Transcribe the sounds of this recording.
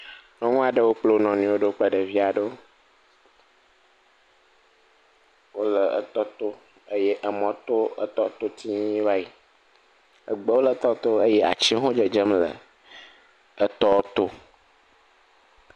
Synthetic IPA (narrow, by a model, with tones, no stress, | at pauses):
nɔ̃˦ŋũ˦a˨ɖə˦wo˦k͡plo˦nɔ̃˨nĩ˨wo˦ɖə˦k͡plə˨ɖə˨vi˦a˨ɖə˦o˦ | wo˦lə˨ə̰˨t̪ɔ˦t̪o˦ | ə˦je˦ʔə˨mɔ̃˨t̪o˦ə̰˦t̪ɔ˦t̪o˦t̪ʰi˦va˦i˨ | ə̰˨ɡ͡bə˦wo˦lə˨˦t̪ɔ˦t̪o˦ə˦jɛ˦ʔa̰˨t͡ʃĩ˦ɦõ˦d͡ʒə˨d͡ʒə˦mlə̰˨ | ə˨t̪ɔ˦t̪o˦